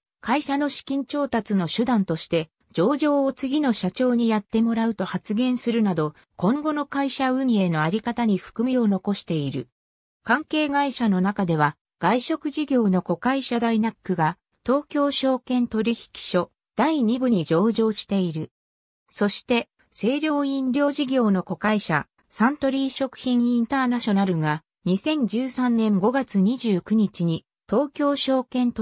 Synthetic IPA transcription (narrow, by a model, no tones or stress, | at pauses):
kaiɕano̞ɕi̥kʲĩɲt͡ɕo̞ːt̪at͡sɨno̞ɕɨd̪ãnt̪o̞ɕi̥t̪e̞ | d͡ʑo̞ːʑo̞ːot͡sɨɡʲino̞ɕat͡ɕo̞ːɲ̟ijat̪ːe̞mo̞ɾaɯ̟t̪o̞hat͡sɨɡẽ̞ɰ̃sɨɾɯ̟nad̪o̞ | kõ̞ŋɡo̞no̞kaiɕaɯ̟ɲ̟ie̞no̞aɾʲikat̪aɲ̟iɸɯ̟̥kɯ̟mʲio̞no̞ko̞ɕi̥t̪e̞iɾɯ̟ | kãŋke̞ːɡaiɕano̞nakad̪e̞β̞a | ɡ̥aiɕo̞kɯ̟ʑiɡʲo̞ːno̞ko̞kaiɕad̪ainakːɯ̟ɡa | t̪o̞ːkʲo̞ːɕo̞ːkẽ̞nt̪o̞ɾʲiçi̥kʲi̥ɕo̞ | d̪̥aiɲ̟ibɯ̟ɲ̟id͡ʑo̞ːʑo̞ːɕi̥t̪e̞iɾɯ̟ | so̞ɕi̥t̪e̞ | se̞ːɾʲo̞ːĩnɾʲo̞ːʑiɡʲo̞ːno̞ko̞kaiɕa̰ | sãnt̪o̞ɾʲiːɕo̞kɯ̟̥çĩɰĩnt̪aːnaɕo̞naɾɯ̟ɡa | ɲ̟isẽ̞ɲ̟d͡ʑɨːsãnnẽ̞ŋɡo̞ɡat͡sɨɲ̟iʑɨːkɯ̟ɲ̟it͡ɕiɲ̟i | t̪o̞ːkʲo̞ːɕo̞ːkẽ̞nt̪o